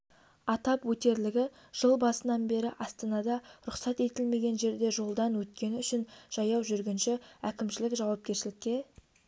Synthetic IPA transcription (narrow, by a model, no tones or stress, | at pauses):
ɑt̪ɑpwɵt̪e̞ɾlɪɡʲɪ | ʒ̥əlˠbɑsənɑnbe̞ɾɪʔɑst̪ɑnɑd̪ɑɾʊqsɑt̪e̞t̪ɪlme̞ɡʲe̞nʒe̞ɾd̪e̞ʒo̞lˠd̪ɑnwɵt̪kʲe̞nɪʏʃɪnʒ̥ɑjɑwʒʏɾɡʲenʃɪækʲɪmʃɪlɪkʒɑwɑp̚kʲe̞ɾʃɪlɪkʲːe̞